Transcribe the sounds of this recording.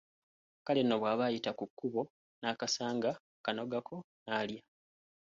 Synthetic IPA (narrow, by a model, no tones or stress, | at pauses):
kalenːo̞βwaːβajitakukːuβo̞ | naːkasaːŋɡa | kano̞ɡakʰo̞ | naːlja